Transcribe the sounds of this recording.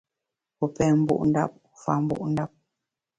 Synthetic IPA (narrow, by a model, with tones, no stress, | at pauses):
u˨pɛ˨mbṵ˨ʔnda̰˦˨p̚ | u˨fa˨mbṵ˦ʔnda˦p̚